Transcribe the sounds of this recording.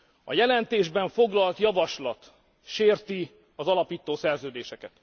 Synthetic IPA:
ɒ̰jɛlɛnt̪eːʒbɛɱfo̞ɡlɒlt̪jɒvɒʃlɒt̪ | ʃeːrt̪i | ɒzɒlɒpiːt̪oːsɛrzøːd̪eːʃɛkɛt̪

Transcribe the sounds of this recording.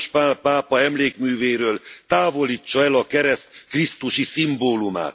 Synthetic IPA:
ʃpapaːpɒɛmleːkmyːveːɾøːlt̪aːvo̞liːt͡ʃːɒɛlɒkɛɾɛst̪krist̪uʃisimboːluma̰ːt̪

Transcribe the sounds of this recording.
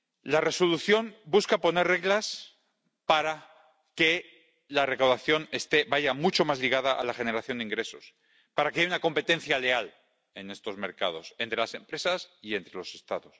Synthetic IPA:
lare̞so̞luθjo̞mbuskapo̞ne̞rreɣlas | paɾa | ke | lare̞kawðaθjo̞ne̞st̪e̞βaʝamut͡ʃo̞mazliɣ̞að̞aʔa̰laxe̞ne̞ɾaθjo̞nd̪eiŋɡɾe̞so̞s | paɾake̞ajunako̞mpe̞t̪e̞nθjale̞al | e̞ne̞st̪o̞zme̞ɾka̰ð̞o̞se̞nt̪ɾe̞lase̞mpɾe̞sasie̞nt̪ɾe̞lo̞se̞st̪aðo̞s

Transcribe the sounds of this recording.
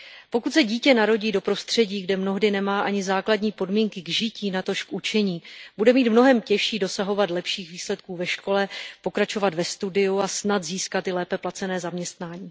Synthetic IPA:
po̞kut̪sɛɟiːcɛnaɾo̞ɟiːdo̞pɾo̞st̪r̝̥ɛɟiːɡdɛmno̞ɦdɪnɛmaːʔaɲɪzaːkladɲiːpo̞dmiːŋkɪɡʒɪciːnat̪o̞ʃkʔut͡ʃɛɲiːb̥udɛmiːt̪mno̞ɦɛmcɛʃiːdo̞saɦo̞vat̪lɛpʃiːxviːslɛt̪̚kuːvɛʃko̞lɛpo̞kɾat͡ʃo̞vat̪vɛst̪udɪuasnat̪ziːskat̪ɪlɛːpɛplat͡sɛnɛːzamɲɛst̪naːɲiː

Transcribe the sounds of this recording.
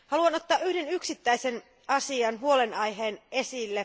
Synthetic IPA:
hɑluɑno̞t̪ːɑːʔʔyhde̞nyksit̪ːæisen | ɑsiɑnɦuo̞lenɑjɦeːne̞silːe

